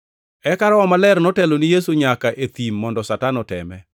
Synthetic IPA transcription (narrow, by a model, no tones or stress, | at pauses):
ɛkaɾɔɔmalɛɾnɔtɛlonijesuɲakaʔet̪imːɔndɔsatanɔtɛ̰mɛ